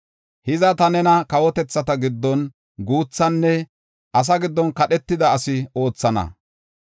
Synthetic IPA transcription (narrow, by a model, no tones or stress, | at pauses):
hɪzɐt̪ɐnɛnɐkɐwɔt̪ɛt͡sːɐt̪ɐɡɪd̪ːɔn | ɡuːt͡sːɐnːɛ | ʔɐs̬ɐɡɪd̪ːɔnkɐɗɛt̪ːɪd̪ɐːsɪo̞ːt͡sːɐnɐ̰